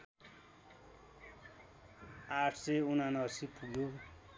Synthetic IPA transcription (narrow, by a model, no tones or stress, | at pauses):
aʈʰseunanʌsipuɡjo